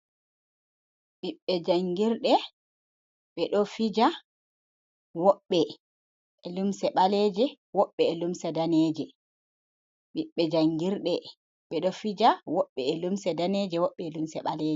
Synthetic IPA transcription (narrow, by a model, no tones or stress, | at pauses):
ɓiɓːɛd͡ʒaŋɡiɾɗɛ | ɓɛɗɔfid͡ʒa | wɔɓːɛ | ʔɛlumsɛɓaleːd͡ʒɛ | wɔɓːɛːlumsɛdaneːd͡ʒɛ | ɓiɓːɛd͡ʒaŋɡiɾɗɛ | ɓɛɗɔfid͡ʒawɔɓːɛːlumsɛdaneːd͡ʒɛwɔɓːɛːlumsɛɓaleːd͡ʒɛ